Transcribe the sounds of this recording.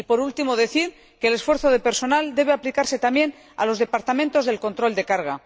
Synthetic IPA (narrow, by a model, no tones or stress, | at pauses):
ipo̞ɾult̪imo̞ð̞e̞θiɾ | keːle̞sfwe̞ɾθoð̞epe̞ɾso̞nald̪e̞β̞eaplikaɾse̞t̪amje̞n | a̰lo̞zð̞e̞paɾt̪amẽnt̪o̞zð̞e̞lko̞nt̪ɾo̞ld̪e̞kaɾɣ̞a